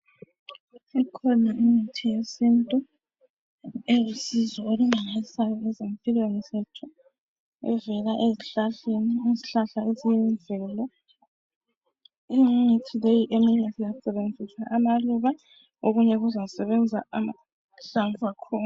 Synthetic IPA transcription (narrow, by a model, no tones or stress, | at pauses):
sikʰɔnaiŋ͡ǀitʰijesintʼu | ezisizɔolumaɣalisajɔɛzempʼilwenizɛtʰɔ | ɛ̰vɛlaʔeziɬaɬeniiziɬaɬaezijɛɱvʱɛːlɔ | iŋitʰilejiʔemiɲɛzijasɛβend͡zʱisaʔamaluβa | oɣuɲɛɣuzausɛβɛnd͡zʱaama | ɬaɱvakʰɔː